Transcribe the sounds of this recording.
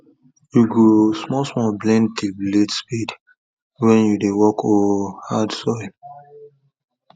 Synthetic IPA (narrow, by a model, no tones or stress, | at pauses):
juɡosmɔlsmɔblɛ̃ntibletspid | wɛ̃njudewɔkʰɔhadsɔɪl